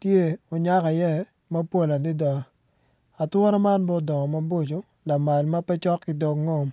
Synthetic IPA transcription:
tje˦o˨ɲa˦ka˨jɛ˦ | ma˦pwo˦la˨dɪ˦dɔ˨ | a˨twɔ˦nɔ˦ma˦nbɔ˦dɔ˨ŋɔ˨ma˦bo˦t͡ʃo˨ | la˨ma˨lma˦pɛ˦t͡ʃɔ˦kːɪ˨dɔ˨kŋɔ˦˨m

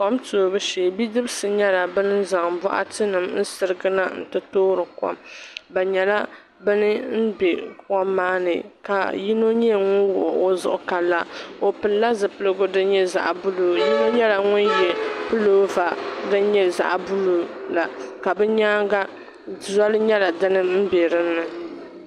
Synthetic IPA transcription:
kɔ˦mto˨bɨ˦ʃeː˨bi˦dɨ˦bsɨ˨ɲɛ˦la˨bɨ˦nɨ˦za˨ŋbɔ̰˦ʔa̰˦tɨ˦nɨ˨mn̩˦sɨ˨ɾɨ˦ɡɨ˦na˦n̩˨tɨ˦toː˦ɾɨ˨kɔ̰˦mba˨ɲɛ˨la˦ | bɨ˦nɨ˦n̩˦bɛ˨kɔ˦mːaː˦nɨ̰˨ka̰˨ji˦no˦ɲɛ˦˨ŋʊ˦nwʊ˨ʔo˦zʊ̰˨ʔʊ˦ka˨lːa˦o˨pɨ˨lla˦zɨ˨pɨ˦lɨ˦ɡʊ˦dɨ˦ɲɛ˦za̰˦˨ʔbʊ˦loː˨ji˦no˦ɲɛ˦la˨ŋʊ˦njɛ˨pɨ˦loː˦va˨dɨ˦ɲɛ˦za̰˦ʔbu˦lu˨la˨ka˨bɛ˦ɲaː˦ɡa˦ | zɔ˦lɨ˦ɲɛ˦la˨dɨ˦nɨ˦m̩˦be˨ɾɨ˦nː˦ɨ˨

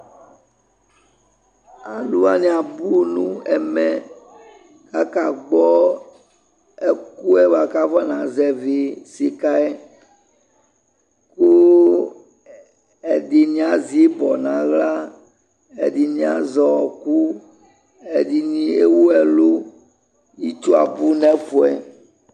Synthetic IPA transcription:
a˨lu˦a˦nĩ˦a˨bu˦nṵ̃˦ɛ˨mɛ̃˨ | ka˦ka˨ɡ͡bɔ˦ | e˦ku˦ɛ˦va˨ka˦va˦nã˨zɛ˦vi˨si˨ka˦e˦ | ku˦ | e˨di˨nĩ˨˦ã˨zi˦bɔ˨nã˨ɣla˦ | ḛ˨di˨nĩ˦ã̰˨zɔ˨ku˦ | e˨di˨nĩ˦e˦wu˦ɛ˨lu˦ | ji˦t͡ʃu˦a̰˨bu˦nɛ̃˦ɸo˨ɛ˨

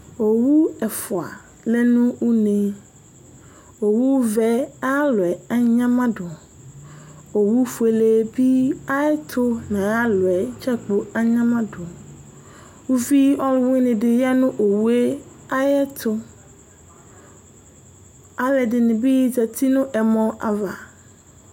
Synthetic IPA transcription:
o˨wu˦ɛ˨fʊ˨a̰˨ | lɛ˦nũ˦wu˦ne˨ | o˨wu˦wvɛ˦a˦lʊ˨ɛ˨a˦ɲã˦mã˦ɖʊ˨ | o˨wu˦fu˨e˨le˨bi˦a˦ɛ˦t̪ʰʊ˦nã˨a˦lʊ˨ɛ˨t͡ʃa˦k͡po˨a˦ɲã˦mã˦dʊ˨ | wu˦fi˦ɔ˦lʊ˦wɪ̃˦nɪ̃˨dɪ˨ja˦nʊ̃˦ʔo˨wu˦e˦ | a˦jɛ˦t̪ʰʊ˦ | a˨lɛ˨dɪ˨nɪ̃˨bi˦jd͡ʒɛ˨t̪i˦nʊ̃˦ʔɛ˨mɔ̃˦a̰˨va˨

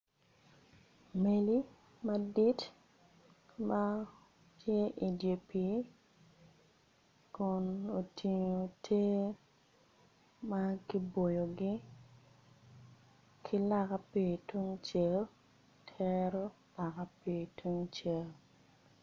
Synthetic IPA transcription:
me˨li˦ | ma˦di˦t | ma˦ | tʰje˦ʔi˨dje˨pi˨ | kʊ˨no˨tʰi˨ɲo˨tʰe˦ | ma˦ki˦bo˨jo˨ɡɪ˦ | kʰɪ˦la˦ka˦pi˨twu˦ŋt͡ʃe˦˨l | tʰɛ˦ɾo˦ | la˨ka˦pi˨twu˦ŋt͡ʃe˨l

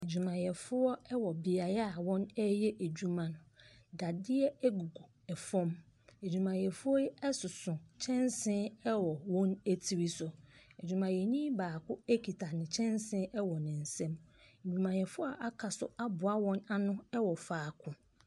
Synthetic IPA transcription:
e˨d͡ʑᶣu˨mã˨jɛ˨fʊ˦ɔ˦ɛ˦wɔ˨bɪ˨a˨ja˦a˨wɔ̃˦nɛ˦jɛ˦ʔe˨d͡ʑᶣu˦mã˨nʊ̃˨ | da˨dɪ˦ɛ˦ɛ˦ɡu˨ɡo˨ | ɛ˨fɔ̃˦m | e˨d͡ʑᶣu˨mã˨jɛ˨fʊ˦ɔ˦jɛ˦ɛ˦sʊ˨sʊ̃˨t͡ɕʰɛ̃˦nsɪ̃˦ɛ˦wɔ˨wɔ̃˦næ˦tʰi˨ɾi˦sʊ˦e˨d͡ʑᶣu˨mã˨jɛ˨ɲĩ˦baː˨kʰʊ˦e˦kʰi˨tʰa˨nɪ̃˨t͡ɕʰɛ̃˦nsɪ̃˦ʔɛ˦wɔ˨nɪ̃˨n̩˨sɛ̃˦me˨d͡ʑᶣũ˨mã˨jɛ˨fʊ˦ɔ˦ʔa˦kʰa˨sʊ̰˦a˦bʊ˨a˦wɔ̃˦na˦nʊ̃˦ɛ˦wɔ˨faː˨kʰʊ̃˨

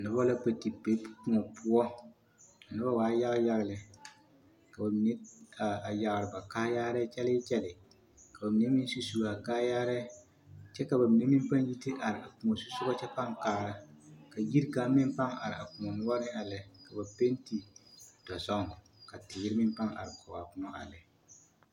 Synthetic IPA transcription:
nʊ˨˦bɔ˦la˦pa˨ti˨pe˦pu̥˦kũ˦ŋɔ˨pʰʊ˦ɔ˦ | a˨nɪ˦ba˦waː˨˦ja˦ɣja˦ɣlɪ˨ | ka˨ba˨mi˨ne˦a˨a˨ja˨ɣɾɪ˨ba˨kaː˦jaː˦ɾɛ˦t͡ʃɛ˦lɪ˦t͡ʃɛ˦lɪ˨ | ka˨ba˨mi˨ne˦mɪ˦n˦su˦su˦ɡa˨kaː˦jaː˦ɾɛ˦ | t͡ʃɛ˦ka˨ba˨mi˨ne˦mɪ˦m˦pa˦nji˦ti˦ʔa˨ɾɪ˨a̰˨ku˨ŋo˨su˦sʊ˦ɡɔ˦t͡ʃɛ˦pa˦ŋkaː˦ɾa˨ka˨ji˦ɾkaː˨˦mɪ˦m˦pa˦ŋa̰˨ɾɪ˨a̰˨ku˨ŋɔ˨nʊ˦wa˦ɾɪ˦a˨lɛ˨ka˨ba˨pe˦nti˨d̥ɔ˨sɔ˦ŋ˨ | ka˨tɪ˨˦ɾɪ˦mɪ˦mpa˦ŋa̰˨ɾɪ˨kʰɔ˨wa˨kʊ˦nɔ˦a̰˨lɛ˨

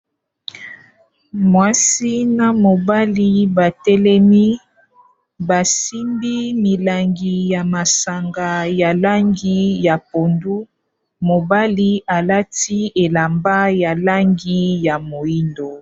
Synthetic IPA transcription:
mwa˦si˦na˨mo˨ba˦li˦ba˨tɛ˦lɛ˦mi˦ | ba˨si˦mbi˦mi˨la˨ŋɡi˨ja˨ma˨sa˨ŋɡa˨ja˨la˦ŋɡi˦ja˨po˨ndu˦ | mo˨ba˦li˦a˨la˦ti˦e˨la˨mba˦ja˨la˦ŋɡi˦ja˨mo˨i˦ndo˨

